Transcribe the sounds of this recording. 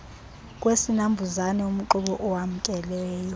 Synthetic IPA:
k̬ʼwesinambʱuzanɛum̩ǃuɓɔʔɔwam̩kʼɛlɛːjɔ

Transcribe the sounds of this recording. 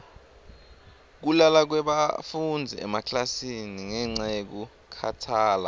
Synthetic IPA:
k̬ulalak̬wɛɓafund͡zʱiɛmakʰlasiniŋɛŋ͡ǀajek̬u | kʰa̰tʰaːla

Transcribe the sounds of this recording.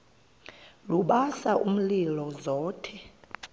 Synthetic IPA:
luɓasaʔum̩lilɔzɔːtʰɛ

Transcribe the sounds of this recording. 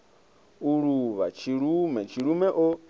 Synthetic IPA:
uɺuβat͡ʃʰiɺumɛt͡ʃʰiɺumɛʔɔ

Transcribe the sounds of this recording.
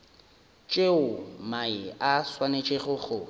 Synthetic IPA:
t͡ʃʼeʊmaɪaswanet͡ʃʼeɣʊɣʊ

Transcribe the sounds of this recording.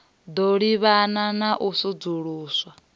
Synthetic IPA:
d̪oɺiβananaʔusud͡zuɺuːswa

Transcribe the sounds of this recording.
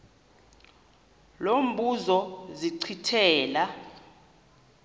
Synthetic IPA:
lom̩ɓuzɔziǀʰitʰɛːla

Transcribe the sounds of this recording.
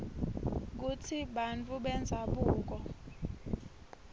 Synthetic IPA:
k̬ut͡sʰiɓant͡fʰuɓɛnd͡zʱaɓuːk̬ɔ

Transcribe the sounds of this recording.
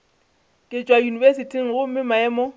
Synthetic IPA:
kʼɪt͡ʃʼwajunivesitʰiŋ̩ɣʊm̩mɪmaɛmɔ

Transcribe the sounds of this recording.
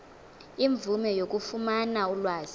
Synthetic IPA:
iɱb̪vumɛjok̬ʼufumanaulwaːz̥i

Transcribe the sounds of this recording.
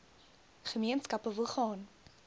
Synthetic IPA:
χəmiənskɐpəvəlˠχɑːn

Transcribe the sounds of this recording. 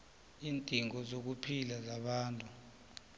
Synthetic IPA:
iːntʼiŋɔzok̬upʰilazaɓaːntʼu

